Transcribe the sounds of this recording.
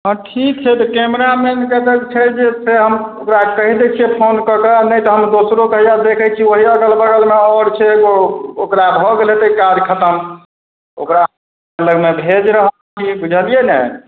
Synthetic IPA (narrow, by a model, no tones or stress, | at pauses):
ə̃ʈʰikt͡ʃʰɛt̪ɔkemɾamenked̪əɡt͡ʃʰɛd͡ʒeseɦəmokɾakəɦid̪et͡ʃʰiɛpʰonkəkənəjt̪ɔɦəmd̪osɾokəɦijad̪ekʰɛt͡ʃʰioɦiəɡəlbəɡəlmeɔɾt͡ʃʰɛɡookɾabʱɔɡelet̪ekad͡ʒkʰət̪əm | o̰kɾaɦ | eləɡmebʱed͡ʒɾəɦə | ibud͡ʒʱəlijenɛ